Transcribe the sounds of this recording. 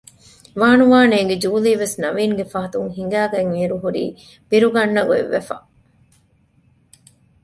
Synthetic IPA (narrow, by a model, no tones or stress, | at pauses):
ʋaːnuʋaːneːɡed͡ʒuːliːʋesnɐʋiːŋɡefɐɦɐt̪uŋɦiŋɡæːɡæŋmiːɾuɦuɾḭː | b̥iɾuɡɐnːɐɡoḛʋːḛfɐ̰